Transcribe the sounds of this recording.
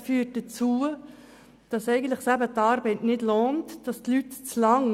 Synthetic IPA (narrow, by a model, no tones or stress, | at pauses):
fyːt̚d̥ət͡suːə | d̥ɑsɛɪɡən̩tləχsæbətɑːɾbɛɪtnɪdloːntd̥ɑstlytt͡slɑŋ